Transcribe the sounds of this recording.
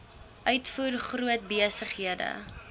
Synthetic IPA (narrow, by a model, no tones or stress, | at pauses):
ʔœɥtfuːrχruət̚biəsəχɦiədə̰